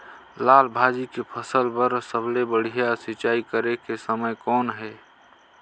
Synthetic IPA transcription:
laːlbʱaːd͡ʒikepʰəsəlpəɾsəblebəɽ̤ijasɪt͡ʃaːikəɾekesəməjkɔːnɦɛː

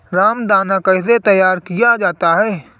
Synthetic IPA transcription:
ɾaːmd̪aːnakɐɪs̬et̪ɐjaːɾkijad͡ʒaːt̪aɦɛː

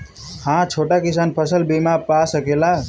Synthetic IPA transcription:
hãt͡ʃʰoʈakisanpʰəsəlbimapasəkela

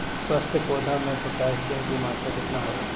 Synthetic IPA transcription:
swast̪ʰjəkoːd̪ʱamẽpɐkaːsjõkimaːt̪əkɪt̪naɦoa

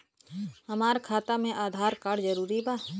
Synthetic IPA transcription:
ɦɐmaːɾkʰaːt̪amẽʔaːd̪ʱaːɾkaːɽd͡ʒəɾuːɾibaː

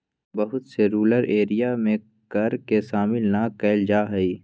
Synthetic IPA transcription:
bɐɦʊt̪seɾuːləɾeːɾijamẽ | kɐɾkeʃaːmɪlnakɛːld͡ʒaːɦɛiː

